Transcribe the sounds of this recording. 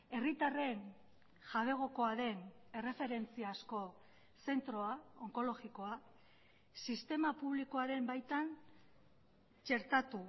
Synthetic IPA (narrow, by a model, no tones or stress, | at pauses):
e̞rit̪are̞n | ʝaβ̞e̞ɣ̞o̞ko̞aðe̞ne̞re̞fe̞ɾe̞nt͡siasko̞ | se̞nt̪ɾo̞aoŋko̞lo̞ɣiko̞a | sist̪e̞mapuβliko̞aɾe̞mbajt̪an | t͡ʃe̞ɾt̪at̪u